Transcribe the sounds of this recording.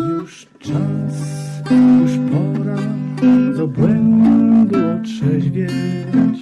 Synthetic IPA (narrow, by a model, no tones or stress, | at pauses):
juʂ | t͡ʂasjuʂpʰɔɾa | zɔbwɛnd̪aɛd̪ɔtʂɛd͡ʑvʲjɛɛt͡ɕ